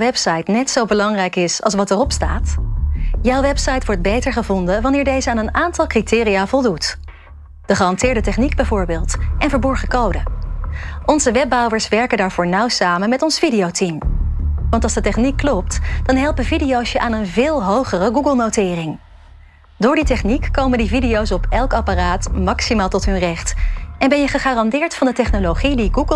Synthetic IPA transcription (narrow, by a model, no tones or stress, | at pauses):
ʋɛpsɑjtnɛtsowbəlɑŋrɛjkɪsɑ̰lˠsʋɑtərɔpstaːt | jawʋɛpsɑjtʋɔɹd̚bejtəɹχəvɔndəʋɑnɪːɹdejzəaːnənaːntɑlˠkritɪːriaːv̥ɔlˠdut | d̥əχəɑntɪːɹdətɛχniɡ̚bɛjvʊːɹbɪːlˠtʔɛnvəɹbɔɹχəkowdə | ʔɔnzəʋɛb̚ɑwəɹsʋɛɹkəndaːɹvʊːɹnʌwsaːmənmɛtɔnsfidijowtim | ʋɑntɑlzdətɛχnikːlɔp̚td̥ɑnɦɛlˠpəvidijowsəʔaːnənvɪːlˠɦowχərəɡuɡəlˠnowtɪːrɪŋ | dʊːɹditɛχnikːowməndividijowsɔpɛlˠkɑparaːtmɑksimaːlˠtɔtɦɵnrɛχtʔɛnbɛnjəχəχaːrɑndɪːɹtfɑndətɛχnolowχidiɡuɡ